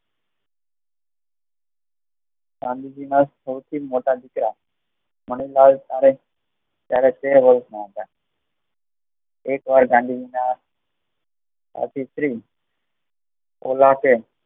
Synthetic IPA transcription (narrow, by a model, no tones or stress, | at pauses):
ɡãːnd̪ʱiːd͡ʒinaːssəʊt̪ʰiːmoːʈaːd̪ɪkɾaː | məɳiːlaːlt̪aːɾe | t̪jaːɾet͡ʃeːʋəlsnat̪aː | eːkʋaːɾɡãːnd̪ʱiːd͡ʒinaːs | a̰ːt̪ʰiːsɾiː | o̰ːlaːke